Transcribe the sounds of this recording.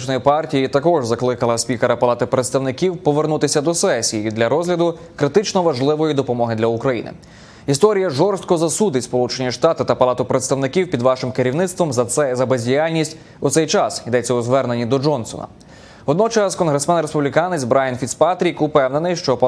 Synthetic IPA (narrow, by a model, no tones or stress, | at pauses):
t͡ʃnɔjipɑrtʲijit̪ɐkɔʒzɐklˠɪkɐlˠɐsʲpʲikeɾɐpɐlˠɑt̪ɪpɾet̪st̪ɐwnɪkʲiwpɔʋernut̪ɪsʲɐd̪ɔsɛsʲijiid̪lʲɐɾɔzɦlʲɐd̪ʊkɾɪt̪ɪt͡ʃnɔʋɐʒlˠɪʋɔjid̪ɔpɔmɔɦɪd̪lʲɐukɾɐjḭnɪ̰ | ist̪ɔɾʲijɐʒɔrst̪̚kɔzɐsud̪ɪtʲspɔlˠut͡ʃe̞nʲiʃt̪ɑt̪ɪt̪ɐpɐlˠɑt̪ʊpɾet̪st̪ɐwnɪkʲiwpʲid̪ʋɑʃɪmkeɾʲiwnɪt̪st̪ʋɔmɛzɐbezʲdʲijalʲnʲisʲtʲ | ʊt̪sɛjt͡ʃɑsid̪ɛt͡sʲːɐʊzʋɛrne̞nʲːid̪ɔd͡ʒɔnsɔ̰nɐ̰ | ɔd̪nɔt͡ʃɐskɔnɦɾesmɛnɾespublʲikɑnɛzʲbɾɑjɐnfʲit̪spat̪ɾʲikʊpɛwne̞nɪjʃt͡ʃɔp